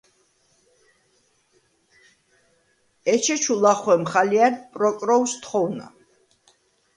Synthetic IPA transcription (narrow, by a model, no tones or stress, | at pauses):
ɛt͡ʃʰɛt͡ʃʰulaχwɛmχaliaɾd̪pʼɾɔkʼɾɔwst̪ʰχɔwna̰